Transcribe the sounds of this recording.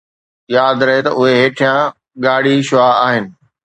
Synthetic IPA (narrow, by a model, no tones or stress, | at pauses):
jaːd̪ɾɐɦet̪ɐʔʊɦeɦeːʈʰijã | ɠaːɽ̤iʃʊaːaːɦɪnɪ̆